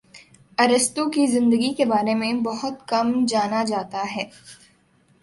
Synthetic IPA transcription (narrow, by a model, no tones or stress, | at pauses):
ɐɾəst̪õkizɪ̃nd̪əɡikebaːɾemẽbɐɦʊt̪kɐmd͡ʒaːnad͡ʒaːt̪aɦɛː